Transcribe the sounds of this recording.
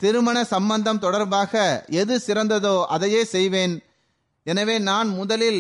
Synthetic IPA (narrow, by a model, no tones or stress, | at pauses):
t̪ɪɾɯmɐnɐsɐmbɐnd̪ɐmt̪ɔɽɐɾbaːɣɐɛðɯsɪɾɐnd̪ɐðoːʔɐðɐjeːsɛjʋeːn | ɛnɐʋeːnaːnmʊðɐlɪl